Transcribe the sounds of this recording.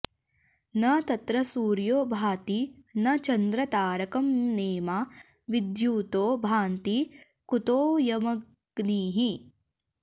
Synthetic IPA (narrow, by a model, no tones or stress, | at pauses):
nɐt̪ɐt̪ɾɐsuːɾjoːbʱaːt̪inɐt͡ʃɐnd̪ɾɐt̪aːɾɐkɐmneːma | ʋid̪juːt̪oːbʱaːnt̪i | kut̪oːjɐmɐ | ɡ̥niːɦi